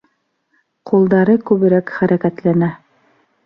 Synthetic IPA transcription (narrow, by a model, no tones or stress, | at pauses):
qʰulˠd̪ɑɾɤkʉβɘ̆ɾækχæɾækæt̪lænæ